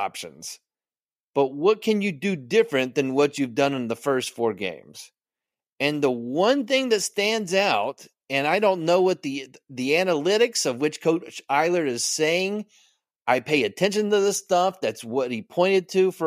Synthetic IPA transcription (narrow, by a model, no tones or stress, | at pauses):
ɑ̰pʃɨ̰̃nz̥ | b̥ʌt̚wʌt̚kʰɨ̃njɨdɨdɪfɹɨ̃nðɨ̃nwʌt͡ʃʉvdʌ̃nɨ̃nðəfɜ˞stfɔɹɡḛ̃ɪ̃mz̥ | ɨ̃nðəwʌ̃nθɪ̃ŋðɨtstæ̃ndzaʊt | ɨ̃naɪɾõʊ̃nːoʊwʌt̪̚ðiðiænəlɪɾɨksʌvwɨt͡ʃkʰoʊɾaɪlˠə˞ɨz̥seɪɪ̃ŋ | ʔaɪpʰeɪɨtʰɛ̃nʃɨ̃ntɨðəstʌfðætswʌt̚hipʰɔ̃ɪ̃ɾ̃ɨd̚tʰɨfə